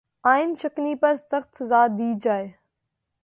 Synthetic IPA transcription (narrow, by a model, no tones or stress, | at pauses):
aːɪnʃɐknipɐɾsɐxt̪ʰzaːd̪ʱiːd͡ʒaːe